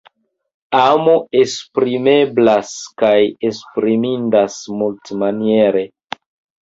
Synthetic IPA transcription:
amoespɾime̞blaskajespɾimindasmultmanieɾe̞

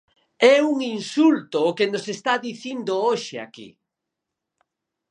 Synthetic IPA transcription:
ɛuŋinsult̪ʊːkenosest̪aðiθind̪ooʃɪa̰kḭ

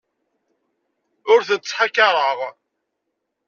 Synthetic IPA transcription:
ʊɾθənt͡sːħakːɑɾˤəʁˤ

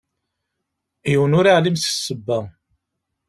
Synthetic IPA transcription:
jəwənʊɾaʕlimsə̥sːəbːæ

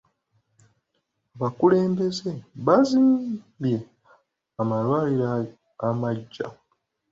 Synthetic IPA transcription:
aβakule̞ːmbe̞ze̞βazim | bje̞ | amalwaːliɾa | amaɟːa̰

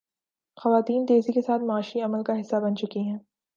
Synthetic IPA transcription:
xɐʋaːt̪iːnt̪eːzikesaːt̪maːʃiɐməlkaɦɪsːabɐnt͡ʃʊkiɦɛ̃ː

